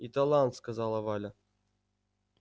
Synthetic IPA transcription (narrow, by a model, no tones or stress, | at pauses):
it̪alʲˠɑnt̪skazɑlˠɐvɑlʲa